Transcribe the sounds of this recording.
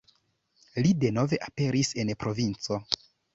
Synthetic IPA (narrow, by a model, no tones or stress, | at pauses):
lide̞no̞ve̞ʔape̞ɾise̞npɾo̞vint͡so̞